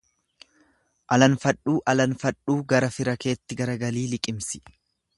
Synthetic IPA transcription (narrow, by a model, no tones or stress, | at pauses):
ʔɐlɐnfɐᶑːuːʔɐlɐnfɐᶑuːɡɐɾɐfɪɾɐke̞ːt̪ːɪɡɐɾɐɡɐliːlɪkʼɪmsɪ̥